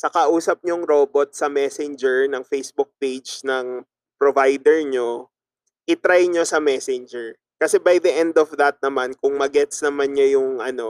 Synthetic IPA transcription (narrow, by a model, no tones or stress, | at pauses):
sɐkɐʔuːsɐp̚ɲoŋɾo̞bot̪̚sɐmɛsɛnd͡ʒɛɹnɐŋfejsbʊk̚pejd͡ʒnɐŋ | pɾovajd̪ɛɹɲo | ʔɪt̪ɾajɲosɐmɛsɛnd͡ʒɛɹ | kɐsɛbajd̪ɐʔɛnd̪ɔfd̪ɐt̪̚nɐmankʊŋmɐɡɛt̪snɐmanɲojʊŋʔɐno̞